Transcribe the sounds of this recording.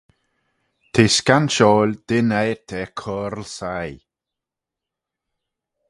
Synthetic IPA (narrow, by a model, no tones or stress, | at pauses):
t̪ʰeskanʃɔːlʲd̪̥ɪnɛjɾt̪ʰɛkʰɔːɾlsaj